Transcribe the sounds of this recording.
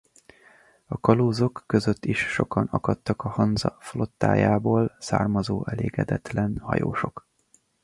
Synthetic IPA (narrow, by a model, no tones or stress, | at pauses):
ɒkɒloːzokːøzøt̪ːiʃːo̞kɒnɒkɒt̪ːɒkɒhɒnzɒflo̞t̪ːa̰ːjaːboːlsa̰ːrmɒzoːʔɛleːɡɛd̪ɛt̪lɛnhɒ̰joːʃo̞k